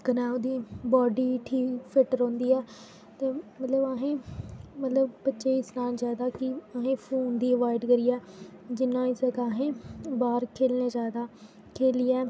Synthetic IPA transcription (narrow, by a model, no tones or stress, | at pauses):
kənaːud̪iːbɔːɖiːʈʰiːkpʰɪʈəɾõːnd̪iːɛː | t̪eːmət̪ləbaɦẽːmət̪ləbpətːʃeːiːsnaːlzaːd̪aːkɪaɦẽːpʰuːnd̪iːəʋaːɪɖkəɾiːɛː | d͡ʒɪnãːɪsəkaːɦẽːbaːɾkʰeːlnẽːd͡ʒaːd̪aː | kʰeːliːɛː